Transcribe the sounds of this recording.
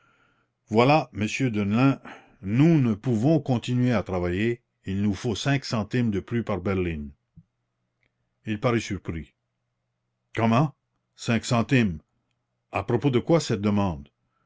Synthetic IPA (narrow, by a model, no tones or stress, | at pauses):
vwalaməsjød̪ənlɛ̃ | nunəpuvɔ̃kɔ̃t̪inɥeat̪ʁavaje | ilnufosɛ̃ksɑ̃t̪imd̪əplypaʁbɛʁlin | ilpaʁɛsyʁpʁi | kɔmɑ̃ | sɛ̃ksɑ̃t̪im | a̰pʁopod̪əkwasɛt̪̚d̪əmɑ̃d̪